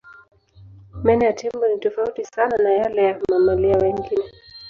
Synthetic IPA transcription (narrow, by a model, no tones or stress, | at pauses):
mɛnɛjatʰɛmbɔnitɔfautisananajalɛjamamaliawɛŋɡinɛ